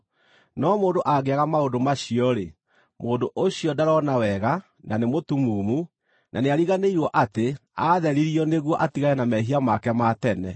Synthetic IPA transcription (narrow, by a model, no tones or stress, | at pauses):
nɔmoːndoʔaɣeaɣamaodomaɕiɔɾe | moːndoʔoɕiɔdaɾɔnawɛɣa | nanemotumuːmu | nʔaneaɾiɣaneiɾwɔʔateaðɛɾiɾiɔneɣwɔʔatiɣajɛnamɛɦiamakɛmatɛnɛ̰